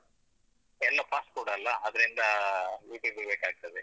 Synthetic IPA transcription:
ɛlːɐpaːs̚kuːɽɐːlːɐɐd̪ɐɾind̪ɐjuːpibibeːkaːɡ̚t̪ɐd̪e

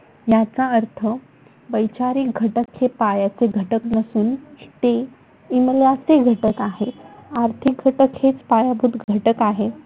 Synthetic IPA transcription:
jat͡saəɾt̪ʰə | bəjt͡ɕaɾiːkɡʱəʈəkhepajat͡seɡʱəʈəknəsuːnt̪e | iməlat͡seɡʱəʈəkaɦeaɾt̪ʰik̚ɡʱəʈəkhet͡spajabʱut̪ɡʱəʈəkaɦe

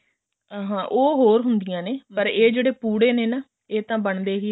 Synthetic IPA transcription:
aːɦãːʔoːɦoːɾɦʊnd̪ɪjãːneːpəɾeːd͡ʒeːɽeːpuːɽeːneːnaː | eːt̪ãːbəɳd̪eːɦiː

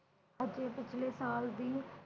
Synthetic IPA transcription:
həd͡ʒeːpɪt͡ʃʰleːsaːld̪iː

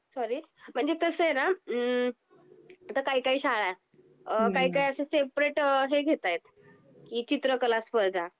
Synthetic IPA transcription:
sɔɾiː | m̤əɳd͡zet̪əsəjena | at̪akaɦiːkaiːɕaɭaj | kaɦiːkaiəsesepɾeʈɦeɡʱet̪ajt̪ | kiːt͡ɕit̪ɾəkəlasfəɾd̪ʱã

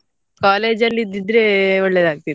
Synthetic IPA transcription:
kaːleːd͡ʒɐlːid̪id̪ɾeoɭːed̪aːkt̪i

